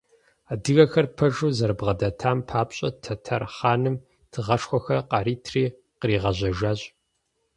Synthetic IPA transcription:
aːdɨɣɐxɐrpʰɐʒuːzɐrɨbʁɐdɐtʰaːmpʰaːpɕʼɐtʰɐtʰɐrχaːnɨm | tʰɨʁɐʂxʷɔxɐqɑɾiːtʰriː | qəriːʁɐʑʷɐʒaːɕʼ

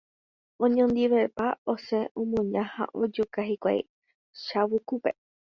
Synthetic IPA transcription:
õɲõnd̪iʋepaoseʔũmũɲãha̰ʔod͡ʒukaɦikʷa̰j | ʃawukupe

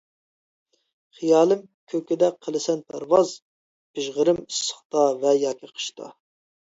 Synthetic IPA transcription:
χijɑːlˠɨm | kʲʰøkʲɪd̪ɛqʰːəlˠɪsɛnpʰæɾvɑz | pɪʒʁəɾɪmisːə̥χt̪ɑvɛjɑːkʲʰiqʰə̥ʃt̪ʰɑ̰

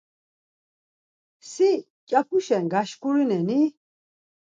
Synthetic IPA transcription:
si | cʼapʰuʃɛnɡaʃkʼuɾinɛni

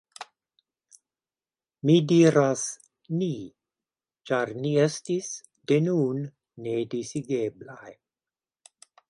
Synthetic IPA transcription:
midiːɾas | ni | t͡ʃaɾniest̪is | d̪enunː | edisiɡeblaj

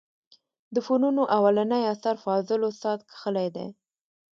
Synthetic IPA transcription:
d̪əfonunoʔawalanajasaɾfɑzɪlosɑt̪̚kʰə̥xəlajd̪ḛ

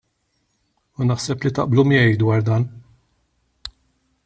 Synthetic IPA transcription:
unɐħsɛplit̪ɐ̰ʔblumɪɛjd̪wɐːɾd̪ɐːn

